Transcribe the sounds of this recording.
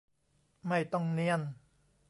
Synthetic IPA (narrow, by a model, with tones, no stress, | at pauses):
ma˥˩jt̪ɔ˥˩ŋni˥˩ən